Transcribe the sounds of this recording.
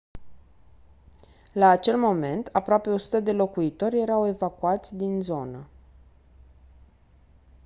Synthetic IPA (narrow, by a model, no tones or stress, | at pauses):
laːt͡ʃe̞lmo̞me̞nt̪ʰapɾoape̞o̞su̥t̪əd̪e̞lo̞kuit̪o̞rʲje̞ɾawe̞vakuat̪sʲd̪inzo̞nə